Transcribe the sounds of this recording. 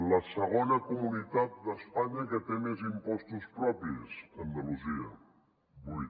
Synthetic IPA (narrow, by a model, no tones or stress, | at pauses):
ləsəɣ̞onəkumunit̪at̪̚d̪əspaɲəkət̪emezimpɔst̪uspɾɔpizənd̪əluziə̰ | buj